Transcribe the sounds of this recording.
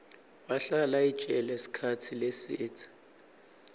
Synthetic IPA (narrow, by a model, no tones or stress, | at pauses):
baɬalait͡ʃʼɛlɛsi̥kʰat͡sʰilesɪːt͡sʰʼḁ